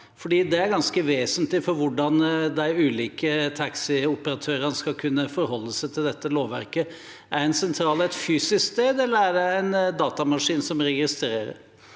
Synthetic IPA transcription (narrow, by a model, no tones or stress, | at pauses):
fɔɖiːd̪ɛæɾɡɑnskəʋeːsənt̪lɪfɔɾʋʊɖɑnd̪æɪʉːliːkət̪ʰɑksɪʊpəɾɑt̪ʰøːɾənəskɑkʰʉnːəfɔɾɦɔlːəsæɪt̪ʰɪld̪ɛt̪ːəloːʋʋæ̰ɾkə | æɖɛnsɛnt̪ʰɾɑːlæɛt̪fyːsɪskst̪eːd̪ɛlːəɾæɖɛæɪnd̪ɑːt̪ɑmɑʂiːnsɔmɾɛɡɪst̪ɾeːɾə̰ɾ